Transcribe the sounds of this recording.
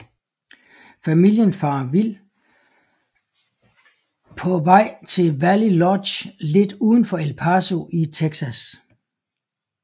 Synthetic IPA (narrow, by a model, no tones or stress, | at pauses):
fæmil̰jənfɑ̈ːʋil | pʰɒ̽ʋɑ̈ɪ̰t͡sʰe̝lʋælilɒdɕle̝d̥uːð̞ˠn̩fɒ̽elpʰɑso̝ʔit͡sʰeɡ̥sæs